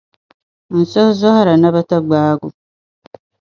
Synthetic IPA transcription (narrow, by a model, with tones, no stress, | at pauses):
n̩˨sɔ˦hzɔ˦ha˦ɾa˨na˦βa˦ta˦ɡ͡baː˦ɡu˨